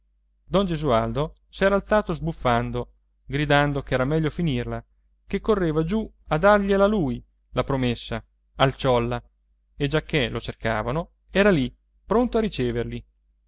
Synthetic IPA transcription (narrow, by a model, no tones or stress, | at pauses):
d̪ɔnd͡ʒezuald̪o | sɛːɾaːlt̪saːt̪ozbufːand̪o | ɡɾid̪and̪okɛːɾamɛʎːofinirla | kekːorːeːvad͡ʒuad̪ːarʎelaluj | lapɾomesːa | alt͡ʃɔlːa | ed͡ʒakʰːelot͡ʃerkaːvano | ɛːɾali | pɾont̪oaɾit͡ʃeːverli